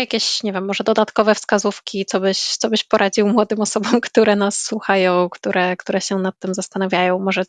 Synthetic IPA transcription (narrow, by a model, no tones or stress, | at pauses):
jakʲeɕɲɛvʲjɛmːɔʐɛd̪ɔd̪at̪kɔvɛfskazufkʲit̪sɔbɘɕt̪sɔbɘɕpɔɾʔad͡ʑiwmwɔd̪ɘmɔsɔbɔmkt̪uɾɛnasːwuxajɔ̃w̃kt̪uɾɛkt̪uɾɛɕɛnat̪ːɘmzast̪anavʲjajɔ̃w̃mɔʐɛ